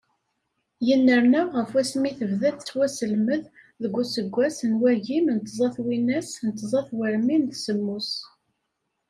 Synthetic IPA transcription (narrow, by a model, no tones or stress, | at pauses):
jənːəɾˤnæʁəfwæsmiθəvðæθt͡sːwæsəlməð | ðəɡʷːusəɡʷːæsənwæʝimnt̪zˤɑθwinæsnət̪ːzˤɑθwəɾminðsəmːus